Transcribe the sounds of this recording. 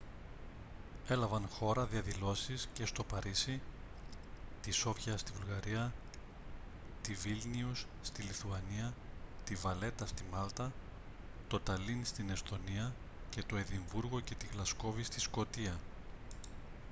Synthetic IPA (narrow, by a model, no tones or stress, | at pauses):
e̞lɐvɐnxo̞ɾɐðiɐðilo̞sisce̞st̪o̞pɐɾisi | t̪iso̞fçɐst̪ivulɣɐɾiɐ | t̪ivilniusːt̪iliθuɐniɐt̪ivɐle̞t̪ɐst̪imɐlt̪ɐ | t̪o̞t̪ɐlinst̪ine̞st̪o̞niɐ | ce̞t̪o̞e̞ðiɱvuɾɣo̞ce̞t̪iɣlɐsko̞vist̪isko̞t̪iɐ